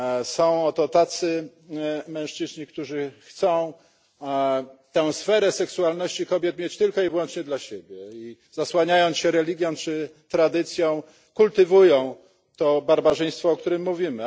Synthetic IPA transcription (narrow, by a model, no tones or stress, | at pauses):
sɔ̃w̃ɔt̪ɔt̪at̪sɘ | mɛ̃w̃ʂt͡ʂɘzɲikt̪uʐɘxt̪sɔ̃w̃ | t̪ɛ̃w̃sfɛɾɛsɛksualnɔɕt͡ɕikɔbʲjɛt̪mʲet͡ɕt̪ɘlkɔivwɔnt͡ʂɲɛd̪laɕebʲjɛi | zaswaɲajɔnɕɛɾɛlʲiɡʲjɔ̃w̃t͡ʂɘt̪ɾad̪ɘt̪sʲjɔ̃w̃ | kult̪ɘvujɔ̃w̃ | t̪ɔbaɾbaʐɛj̃st̪fɔːk̚t̪uɾɘmːuvʲimɘ